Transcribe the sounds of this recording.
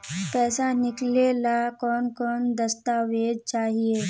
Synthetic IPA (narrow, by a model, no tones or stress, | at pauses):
pɛːsanɪklelakɔːnkɔːnd̪əst̪aʋed̪̚t͡ʃaːɦie